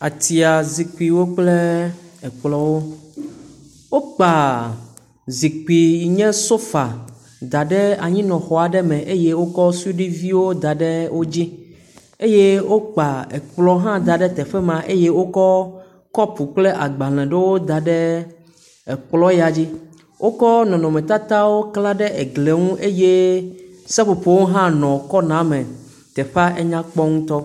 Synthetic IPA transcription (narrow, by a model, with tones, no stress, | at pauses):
a˨t̪i˨a˨zi˨k͡pi˨wo˦k͡ple˦ɛ˨k͡plɔ˦wo˦ | wo˦k͡pa˨ | zi˨k͡pi˨ɲɛ̃˦so˦fa˨ | d̪a˨ɖɛ˦a˨ɲĩ˦nɔ̃˨xɔ˨a˨ɖɛ˦mɛ̃˨ʔe˦je˦wo˦kɔ˦su˦ɖi˦vi˦wo˦d̪a˨ɖɛ˦wo˦d͡ʑi˦ | e˦je˦wo˦k͡pa˨e˨k͡plɔ˦ɦã˦d̪a˨ɖɛ˦t̪ɛ˨ɸɛ˦mã˨ʔe˦je˦wo˦kɔ˦ | kɔ˦pu˨k͡ple˦ʔa˨ɡ͡ba˨l̃ɛ̃˨ɖe˦wo˦d̪a˨ɖɛ˦ | ɛ˨k͡plɔ˦ja˨d͡ʑi˦ | wʔo˦kɔ˦nɔ̃˨nɔ̃˨mɛ̃˨t̪a˦t̪a˦wo˦kla˦ɖɛ˦e˨ɡle˨ŋũ˦ʔe˦je˦ | sɛ˦ɸo˨pe˨wo˦ɦã˦nɔ̃˨kɔ˦nã˨˦mɛ̃˨ | t̪ɛ˨ɸa˦ʔe˦ɲã˦k͡pɔ˦ŋũ˦t̪ɔ˦